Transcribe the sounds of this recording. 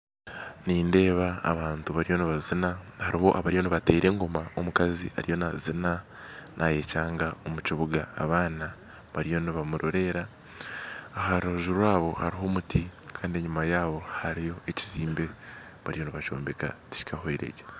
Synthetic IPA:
niːnde̞ːβa̰ːβaːntuβaɾijo̞niβazinahaɾiho̞̰ʔaβaɾijo̞niβate̞iɾe̞ːŋɡo̞maomukazḭa̰ɾijo̞nazina | nʔaje̞caːŋɡao̞muciβuɡa̰ːβaːna | βaɾijo̞niβamuɾʔo̞ɾe̞ɾaː | ɦaɾoʒuɾuaːβo̞haɾiɦo̞mutikʰaːndieɲumajaːβo̞haɾijo̞e̞ci̥ziːmbe̞ | βaɾijo̞niβat͡ʃo̞̰ːmbe̞ka̰ti̥ci̥kaho̞eɾḛɟe

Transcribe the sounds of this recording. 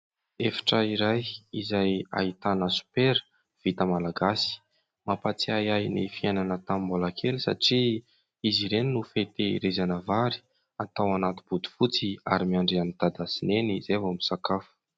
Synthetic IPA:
efḁʈ͡ʂəiɾajizaja̰ɦit̪anəsu̥peɾə̥ | v̥it̪əmalaɡasi̥ | mapat͡siajajnifiananət̪ammbolakʰelisa̰ʈ͡ʂi | iziɾeninufet̪eḭɾezanəvaɾi̥ | at̪awanat̪u̥b̥ud̪u̥fut͡sia̰ɾimiaɳɖ͡ʐeanit̪ad̪asinenizevomisakafu̥

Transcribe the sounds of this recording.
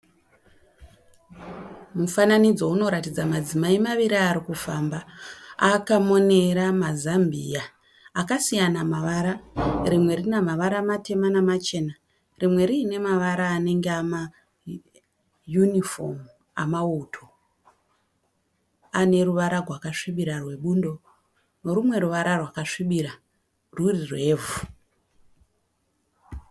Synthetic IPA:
mufananid͡zo̞uno̞ɾatid͡zamad͡zimaimaʋiɾiaɾikufambaakamo̞ne̞ɾamazambʱijaː | kasijanamaʋaɾarimwe̞rinamaʋaɾamate̞manamat͡ʃe̞na | rimwe̞ɾiːne̞maʋaɾaːne̞ŋɡeama | junifo̞̰m | a̰mautʰo̞ | ane̞ɾuʋaɾarʱwakaʂiɓiɾarwe̞ɓuːndo̞ | noɾumwe̞ɾuʋaɾʔarwakaʂiɓiɾa | rurirwe̞ːvu

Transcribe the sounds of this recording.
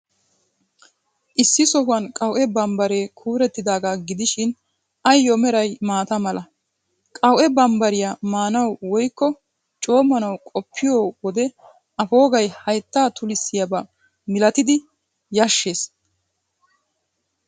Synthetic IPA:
ʔɪsːɪsɔɦʊɐnkʼɐwʔɛbɐmbɐɾeːkʰuːɾɛt̪ːɪd̪aːɡaːɡɪd̪ɪʃɪn | ʔɐjːɔmɛɾɐjmaːt̪ɐmɐlɐ | kʼɐwʔɛbɐmbɐɾɪjamaːnɐwwɔjkːɔ | t͡ʃʼo̞ːmɐnɐwkʼɔpʰːɪjoːwɔd̪ɛ | ʔɐfo̞ːɡɐjhɐjt̪ːaːt̪ʰʊlɪsːɪjɐbɐ | mɪlɐt̪ɪd̪ɪ | jɐʃːeːs

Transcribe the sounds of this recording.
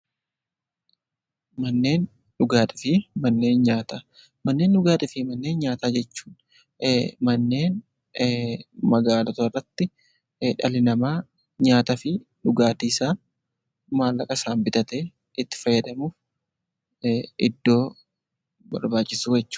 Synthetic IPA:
mɐnːe̞ːn | ᶑʊɡaːt̪ʼɪfɪmɐnːe̞ːnɲaːt̪a | mɐnːe̞ːnᶑʊɡaːt̪ɪfɪmɐnːe̞ːnɲaːt̪aːd͡ʒɛt͡ʃːu̥ːn | mɐnːe̞ːn | mɐɡaːlɐt̪oɪrːɐt̪ːɪ | ᶑɐlɪnɐmaː | ɲaːt̪ɐfɪᶑʊɡaːt̪iːsaːn | maːlːɐkʼɐsaːmbɪt̪ɐt̪eː | ɪt̪ːɪ̥fɐjːɐd̪ɐmuːf | ɪd̪ːo̞ː | bɐ̰ɾbaːt͡ʃʼːɪsuːjɛt͡ʃːʊ̥

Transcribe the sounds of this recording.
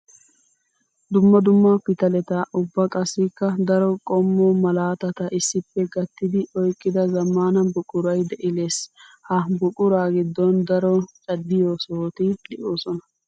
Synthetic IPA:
d̪ʊmːɐd̪ʊmːɐpɪt̪ɐlɛt̪ɐʔʊbːɐkʼɐsːɪkːɐd̪ɐɾɔkʼɔmːɔmɐlaːt̪ɐt̪ɐʔɪsːɪpːɛɡɐt̪ːɪd̪ɪɔjkʼːɪd̪ɐzɐmːaːnɐbʊkʼʊɾɐjd̪ɛʔɪleːshɐbʊkʼʊɾaːɡɪd̪ːɔnd̪ɐɾɔt͡ʃʼɐd̪ːɪjoːsoːt̪ɪd̪ɪʔoːsɔnɐ

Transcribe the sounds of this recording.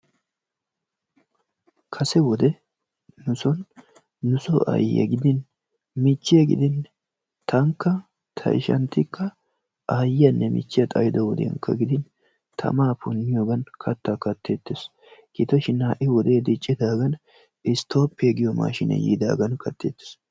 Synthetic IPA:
kʰɐsɛwɔd̪ɛ | nʊsɔnː | ʊsɔʔɐ̰jɐ̰ɡɪd̪ɪn | mɪt͡ʃːɪjɐɡɪ̰d̪ɪn | t̪ʰɐŋkːɐ | t̪ʰɐ̰ɪ̰ʃɐ̰nt̪ːɪkːɐ | ʔɐjɐnːɛmɪ̰t͡ʃːɪjɐt̪ʼɐjd̪ɔwɔd̪ḛŋkːɐ̰ɡɪd̪ɪn | t̪ʰɐ̰maːpʊnːɪjoːɡɐnkʰɐt̪ːakɐt̪ːeːt̪ːɪs | kɪt̪ɔʃɪnaːʔɪwɔd̪e̞ːd̪ɪt͡ʃʼːɪd̪aːɡɐn | ɪst̪o̞ːpːɪeɡɪjɔma̰ːʃɪnɛ̰jḭːd̪a̰ːɡɐnkʰɐt̪ːḛːt̪ːɪ̥s

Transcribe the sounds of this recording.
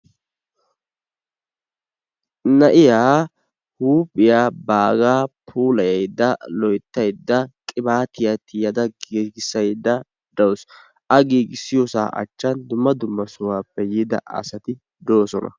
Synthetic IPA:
nɐʔɪjaː | huːpʼːɪjaːbaːɡaːpʰuːlɐjɐjd̪ːɐlɔjt̪ːɐjd̪ːɐkʼɪbaːt̪ɪjat̪ːɪjɐd̪ɐɡiːɡɪsːɐjd̪ːɐ | d̪̥ɐwʊs | ʔɐɡiːɡɪsːɪjosa̰ːʔɐ̰t͡ʃːɐnd̪ʊmːɐd̪ʊmːɐsʊwaːpːɛjiːd̪ɐ̰ʔɐ̰sɐt̪ɪ | d̪o̞ːsɔnɐ̰

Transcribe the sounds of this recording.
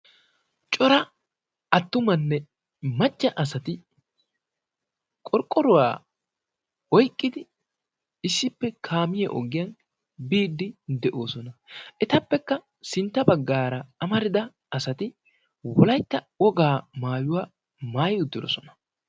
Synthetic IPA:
t͡ʃʼɔɾɐ | ɐt̪ːʊmɐnːɛ | mɐt͡ʃʼːɐʔɐsɐt̪ɪ | kʼɔɾkʼːɔɾʊwa̰ː | ɔjkʼːɪd̪ɪ | ɪsːɪpːɛkʰaːmɪjɛʔɔ̰ɡɪjɐn | biːd̪ːɪd̪ɛʔo̞ːsɔnɐʔɛt̪ɐpːɛkːɐ | sɪnt̪ːɐbɐɡːaːɾɐɐmɐɾɪd̪ɐ | ɐsɐt̪ɪ | wɔlɐjt̪ːɐwɔɡaːmaːjʊwaː | maːjʊd̪ːɪɾɔ̰sɔnɐ̥

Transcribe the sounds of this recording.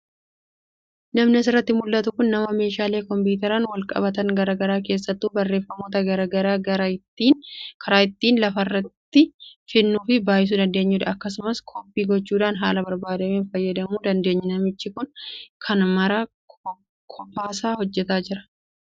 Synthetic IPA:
nɐmnɪɐs̬ɪrːɐt̪ːɪmʊlːɐt̪ʊkʊnːɐmɐme̞ːʃaːle̞ːkɔmpiːt̪̬ɛɾɐnwɐlkʼɐ̰bɐt̪ɐŋɡɐɾaɡɐɾaːk̬e̞ːsːɐt̪ːuːbɐrːe̞ːfːɐmoːt̪ɐɡɐɾɐɡɐɾaːɐɾ | iːnkʰɐɾaːɪt̪ːiːnlɐfɐrːɐt̪ːɪfɪnːuːfɪbaːjɪs̬uːd̪ɐnd̪e̞ːɲːuːd̪ɐɐkːɐsʊmɐskʰopːiːɡɔt͡ʃːuːᶑaːnɦaːlɐbɐɾbaːd̪ɐmeːnfɐjːɐd̪ɐmuːd̪ɐnd̪e̞ːɲːɪnɐmɪt͡ʃːɪkʊnkʰɐnmɐɾɐ | kʰɔpːaːsaːhɔd͡ʒːɛt̪aːd͡ʒɪɾɐ̥

